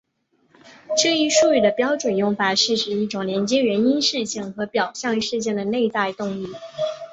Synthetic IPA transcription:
ʈ͡ʂɤ˥˧i˥˧ʂu˥˧y˥˩d̪ə˩pjɑ˥ʊʈ͡ʂwə˨˩njʊ˥˩ŋfa˨˩ʂɻ̩˥˩ʈ͡ʂɻ̩˨˩i˥˩ʈ͡ʂʊ˨˩ŋljɛ˧˥nt͡ɕjɛ˥ɥɛ˧˥ni˥nʂɻ̩˥˧ɕi˥˩ŋxɤ˧˥pjɑ˨˩ʊɕjɑ˥˧ŋ˧ʂɻ̩˥˧t͡ɕjɛ˥˩nd̪ə˩ne˥˧ɪt͡sa˥˧ɪt̪ʊ˥˧ŋli˥˩

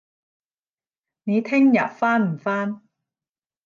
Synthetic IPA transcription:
ne˨˧t̪ʰɪ˥ŋjɐ̰˨t̚faː˥nm̩˨˩faː˥n

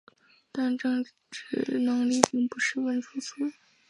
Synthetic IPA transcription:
t̪a˥˧nʈ͡ʂɤ˥˧ŋ | ʈ͡ʂɻ̩˥˩nɤ˧˥ŋli˥˩pi˥˧ŋpu˧˥ʂɻ̩˥˩wə˧˥nʈ͡ʂʰu˧˥t͡sʰu˥

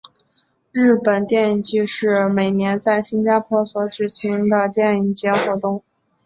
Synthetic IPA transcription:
ɻ̩˥˩pə˨˩nt̪jɛ˥˩ni˨˩ŋt͡ɕy˥˧ʂɻ̩˥˩me˨˩ɪnjɛ˧˥nt͡sa˥˩ɪɕi˥nt͡ɕja˥pʰwɔ˥swɔ˧˥ʈ͡ʂɻ̩˨˩t͡ɕʰi˧˥ŋd̪ə˧t̪jɛ˥˩ni˨˩ŋt͡ɕjɛ˧˥xwɔ˧˥t̪ʊ˥˩ŋ

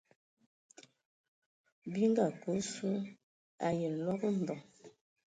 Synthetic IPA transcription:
bi˦ŋ˦ɡa˨ko˨˦su˦ | a˨je˨lɔ˦ɡə˦m˨bɔ˨ŋ

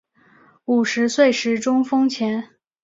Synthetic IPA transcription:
u˨˩ʂɻ̩˧˥swe˥˩ɪʂɻ̩˧˥ʈ͡ʂʊ˥ŋfɤ˥ŋt͡ɕʰjɛ˧˥n

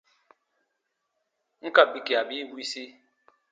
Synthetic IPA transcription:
ŋ̩˦ka˦˨bi˦ki˨a˨bi˦wi˦si˦

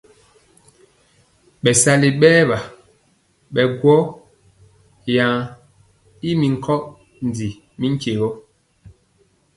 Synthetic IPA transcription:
ɓɛ˨sa˦li˨ɓɛː˦βa˨ | ɓɛ˨ɡwɔ˦ | ja˨ŋ | i˦mi˨ŋ̩˨kʰɔ˦ʔ | n˨di˨ | mi˦ŋ˦ke˨ɣɔ˦

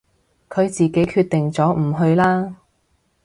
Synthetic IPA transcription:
kʰɵ˨˧ɥt͡siː˨ke˨˥jkʰyː˧t̪̚t̪ɪ˨ŋt͡sɔː˨˥m̩˨˩ɦɵ˧ɥlaː˥

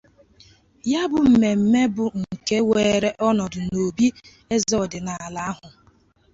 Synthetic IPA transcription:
ja˦bʊ˨m̩˨me˨m̩˨me˦bʊ˨ŋ̩˨ke˦weː˨ɾe˦ʔɔ˦nɔ˨dʊ˨no˨bi˦ | e˦zɔ˦˨dɪ˨na˨a˨la˦ɦʊ˨

